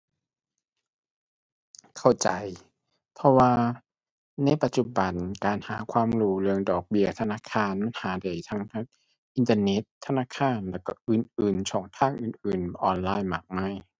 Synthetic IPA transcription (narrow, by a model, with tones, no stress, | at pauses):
kʰa˧˩wt͡ɕa̰˨˩j | pʰɔ˧waː˧ | na˧˩jpa˨˧t̪̚t͡ɕu˨˧˩ba˨nkaː˨˩nhaː˩˦kʰwaː˧˥˨mɾuː˧˩lɯ˧əŋdɔː˨˩k̚bi˧ɐt̪ʰa˧naː˧˥˨kʰaː˧˩˨nma˧˥˨nhaː˨˦da˨˩jt̪ʰa˧˥ŋʰa˧˥ŋ | ʔi˨˧nt̪ə˧ne˧˦˥t̪ʰːa˧naː˧˥˨kʰaː˧˩˨nlɛː˧˩kɔ˧˩ʔɯː˨˩nʔɯː˨˩nt͡ɕʰɔː˨˩˦ŋt̪ʰaː˧˥˩ŋʔɯː˨˩nʔɯː˨˩nʔɔː˨˧nlaː˧˩jma˨˩k̚ma˧˥˩j